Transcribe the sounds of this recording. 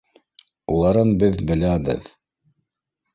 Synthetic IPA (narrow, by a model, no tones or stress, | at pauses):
ulˠɑɾɤnbɘðbɘ̆læbɘ̰ð